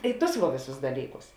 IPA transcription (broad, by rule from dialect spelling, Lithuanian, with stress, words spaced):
ˈɪ ˌtʊs ʋɐ ˈʋʲeːˌsʊs ˈdɑːlʲiːˌkʊs